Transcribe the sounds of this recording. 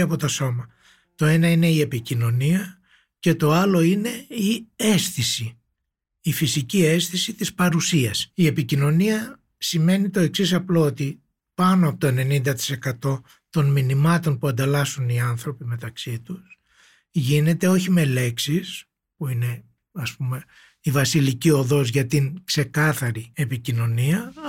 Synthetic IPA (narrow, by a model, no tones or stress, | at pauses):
ɐpo̞t̪o̞so̞mɐ | t̪o̞e̞nɐine̞ie̞picino̞niɐ | ce̞t̪o̞ɐlo̞ine̞iesθisi | ifisicie̞sθisit̪ispɐɾusiɐsie̞picino̞niɐ | sime̞nit̪o̞e̞ksisɐplo̞ot̪i | pɐnoɐpot̪oe̞ne̞nind̪ɐt̪i̥se̞kɐt̪o̞ | t̪o̞nminimɐt̪o̞npuɐnd̪elɐsuniɐnθɾo̞pime̞t̪ɐksit̪us | ʝine̞t̪e̞o̞çime̞le̞ksis | puine̞ | ɐspume̞ | ivɐsilicio̞ðo̞zʝɐt̪iŋkse̞kɐθɐɾie̞picino̞niɐ